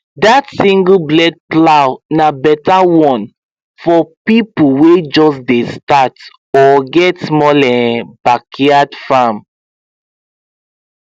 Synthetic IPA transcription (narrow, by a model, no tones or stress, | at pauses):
datsĩŋɡəblɛd̚plawnabɛtawɔ̃n | fɔpipuwed͡ʒɔsdestat | ɔɡɛtsmɔlɛ̃bakʰiadfãm